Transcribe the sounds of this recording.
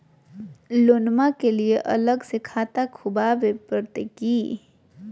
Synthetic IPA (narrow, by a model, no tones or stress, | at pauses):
loːnmakelieʔɐ̰ləɡsekʰaːt̪akʰʊbabepəɾt̪ekiː